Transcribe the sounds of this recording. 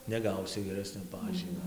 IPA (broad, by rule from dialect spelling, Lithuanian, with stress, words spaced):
nʲɛˈɡɐʊsʲɪ ɡʲɛˈrʲæːsʲnʲoː ˈpɑːʒʲiːmʲoː